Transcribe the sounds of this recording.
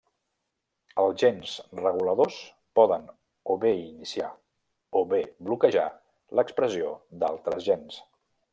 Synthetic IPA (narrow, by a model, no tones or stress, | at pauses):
əlˠzʒenzrəɣ̞uləðos | pɔðən | oβeinisia | oβeblukəʒa̰ | lʔəkspɾəziod̪a̰lˠt̪ɾəzʒɛns